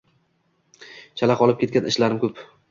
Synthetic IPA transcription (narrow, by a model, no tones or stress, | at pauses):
t͡ʃʰalaqɒlˠɪp̚kʲe̞t̪kʲanɪʃlaɾɪmkʲʰɵp